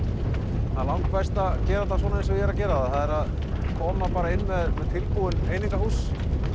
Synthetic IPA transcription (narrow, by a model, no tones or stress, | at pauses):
hanlawŋkfajst̪acɛːɾat̪as̬vɔnaɪnsɛjɛɾacɛːɾaðaθaðɛɾað | kʰɔːmapaːɾaɪnːmɛðmɛðt̪ʰɪlpuwʏnejniŋkahus